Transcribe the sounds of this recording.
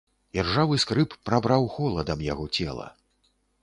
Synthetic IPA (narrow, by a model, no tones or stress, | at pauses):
d͡zʲɛrʐavɨskɾɨpːɾabɾawxɔlˠɐd̪ɐmjaɣɔt͡sʲɛlˠɐ̰